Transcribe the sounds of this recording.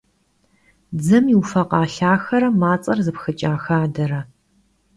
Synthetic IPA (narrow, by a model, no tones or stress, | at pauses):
d͡zɐmiwfɐqɑːɬaːxɐɾɐmaːt͡sʼɐrzɨpxɨt͡ʃʼaːxaːdɐɾɐ